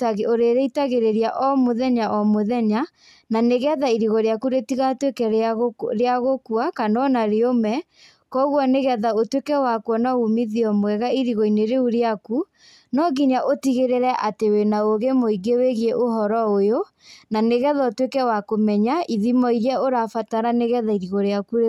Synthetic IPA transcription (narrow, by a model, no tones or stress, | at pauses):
tɣoɾeɾeitaɣeɾeɾijaʔɔmoðɛɲaʔɔmoðɛɲa | naneɣɛðaiɾiɣɔɾeakuɾetiɣatwekɛɾeaɣokwakanɔnaɾeomɛ | kɔɣwɔneɣɛðaotwekɛwakwɔnɔumiðiɔmwɛɣaiɾiɣɔineɾeuɾeaku | nɔɣiɲaʔotiɣeɾeɾɛʔatewenaoɣemoiɡeweɣieʔoɦɔɾɔojo | naneɣɛðatwekɛwakomɛɲaʔiðimɔiɾɛoɾafataɾaneɣɛðaiɾiɣɔɾeakuɾe